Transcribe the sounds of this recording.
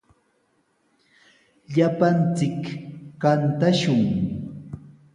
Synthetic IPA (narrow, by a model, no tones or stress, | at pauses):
ʎapant͡sɪkkant̪aʃʊŋ